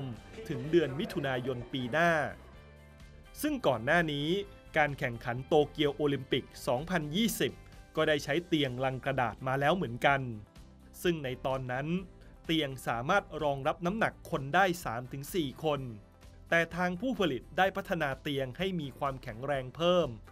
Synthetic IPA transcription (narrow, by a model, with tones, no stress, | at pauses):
mt̪ʰɯ˩˦ŋdɯ˧ənmi˦˥t̪ʰu˧naː˧jo˧npiː˧naː˥˩ | sɯ˥˩ŋkɔː˨˩nːaː˥˩niː˦˥ | kaː˧nkʰɛ˨˩ŋkʰa˩˦nt̪oː˧ki˧əwʔoː˧li˧mpi˨˩k̚sɔː˩˦ŋpʰa˧njiː˥˩si˨˩p̚ | kɔː˥˩daː˥˩jt͡ɕʰa˦˥jt̪i˧əŋla˧ŋkɾa˧da̰ː˨˩t̪̚maː˧lɛː˦˥wmɯ˩˦ənka˧n | sɯ˥˩ŋna˧jt̪ɔː˧nːa˦˥n | t̪i˧əŋsaː˩˦maː˥˩t̪̚ɾɔː˧ŋɾa˦˥p̚na˦˥mna˨˩kʰːo˧ndaː˥˩jsaː˩˦mt̪ʰɯ˩˦ŋsiː˨˩kʰo˧n | t̪ɛː˨˩t̪ʰaː˧ŋpʰuː˥˩pʰa˧li˨˩t̪̚daː˥˩jpʰa˦˥t̪ʰːa˧naː˧t̪i˧əŋha˥˩jmiː˧kʰwaː˧mkʰɛ˩˦ŋɾɛː˧ŋpʰɤː˥˩m